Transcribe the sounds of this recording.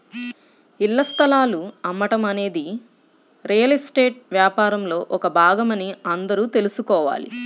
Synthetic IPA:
ilːɐst̪ʰɐlaːluɐmːɐʈɐmɐne̞ːd̪i | ɾijɐlisʈe̞ːʈ̚ʋjaːpaːɾɐmlo̞ːʔɔkɐbʱaːɡɐmɐniɐnd̪ɐɾuːt̪e̞lusukɔːʋa̰ːlḭ

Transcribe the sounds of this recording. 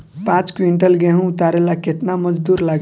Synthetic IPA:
pãt͡skwiɳʈəlɡeɦũːt̪aɾelaket̪naməd͡ʒd̪uɾlaɡ

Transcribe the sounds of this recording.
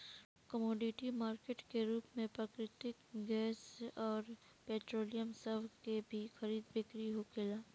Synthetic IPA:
kəmɔːɖɪʈimaːɾkeːʈkeɾuːpmẽpɾɐkɾɪt̪ɪkɡɛːsɔːɾ | peːʈɾoːlijəmsɐbkebʱixɐɾiːd̪bɪkɾiɦokʰɪlaː

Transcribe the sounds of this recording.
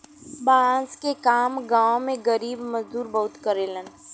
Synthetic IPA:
baːnskekaːmɡãːmẽɡəɾiːbməzd̪uːɾbɐɦʊt̪kəɾelən

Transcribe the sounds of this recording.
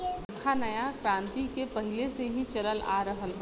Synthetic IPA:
kʰanɐjakɾãːnt̪ikepɐɦɪleseɦĩt͡ʃɐləlʔa̰ːɾɐɦəlɦ

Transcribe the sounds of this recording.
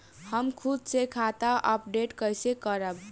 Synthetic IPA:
həmkʰud̪sekʰat̪aʔəpɖeʈkəjsekəɾəb

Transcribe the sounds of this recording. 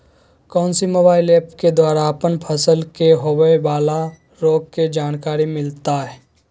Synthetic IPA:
kɔːnsimoːbaːɪleːpked̪waːɾaəpənpʰəsəlkeɦowəbaːla | ɾoːɡ̚ked͡ʒaːnkaːɾimɪlt̪aɦɛː

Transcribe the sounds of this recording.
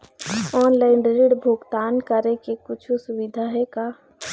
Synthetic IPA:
ɔːnlaɪɳɖɾɪɽbʱʊɡt̪aːnkəɾẽkekʊt͡ʃʰusʊwɪd̪ʱaɦɛkaː

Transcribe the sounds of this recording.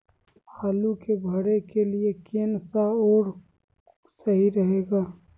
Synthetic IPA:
haːlukebʱəɽekeliekeːnsaɔːɾ | səɦiɾəɦeːɡaː

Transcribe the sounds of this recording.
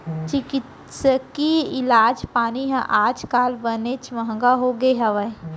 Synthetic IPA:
t͡ʃɪkɪt̪ | səkiɪlaːd͡ʒpaːniɦɛ̃ʔaːd͡ʒkaːlbənet͡ʃməɦŋɡaɦoɡeɦəʋəj

